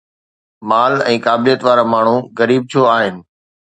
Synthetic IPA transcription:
maːlɛ̃ːkaːblijət̪ʋaːɾamaːɳ̤ũɣəɾiːb̚t̪ʰoaːɦɪnɪ̆

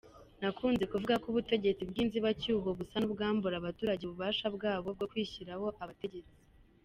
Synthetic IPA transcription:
nakʰuːnze̞kuvuɡakuβute̞ɟe̞t͡sibɡiːnziβacuːɦoβusanubɡaːmbuɾaβatuːɾaɟeβuβaːʃabɡaːβo̞b̚ɡo̞kwiːçiɾaho̞ʔaβate̞ɟe̞ɾet͡sze

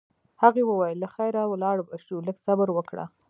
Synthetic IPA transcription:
haɣewəwajelaxajɾawlɑɽbaʃuləɡsabaɾwəkɽa̰

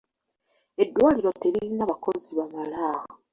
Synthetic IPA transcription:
e̞dːwaːliɾo̞te̞ɾiɾinaβako̞ziβamalaːɣa

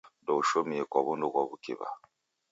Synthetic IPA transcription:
dɔuʃomiekɔβundokɔβukḛβa̰

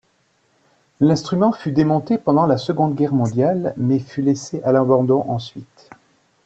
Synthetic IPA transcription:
lɛ̃st̪χymɑ̃fyd̪emɔ̃t̪epɑ̃d̪ɑ̃lasəɡɔ̃d̪ɡʲɛʁmɔ̃d̪jalmɛfyleseʔalɑ̃bɑ̃d̪ɔ̃ʔɑ̃sɥit̪

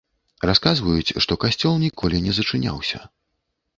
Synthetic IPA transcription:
raskazvɐjut͡sʲʂt̪ɔkasʲt͡sʲɔlˠnʲikʰɔlʲinʲɛzɐt͡ʂɨnʲa̰wsʲɐ̰

